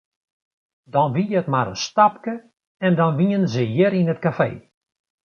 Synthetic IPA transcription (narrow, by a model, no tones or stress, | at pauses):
dɔnʋijəətmaɾənstap̚kə | ɛndɔnʋiənzəjɪɾinətkafḛː